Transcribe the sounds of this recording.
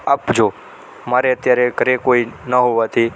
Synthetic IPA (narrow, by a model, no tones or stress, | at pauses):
apd͡ʒo | maɾeət̪jaɾekəɾekoinəɦoʋat̪ʰi